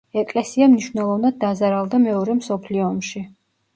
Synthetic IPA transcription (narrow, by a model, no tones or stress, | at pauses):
ɛkʼlɛsiamniʃwnɛlˠɔvnad̪̚ːazaɾalˠd̪amɛɔɾɛmsɔpʰliɔːmʃi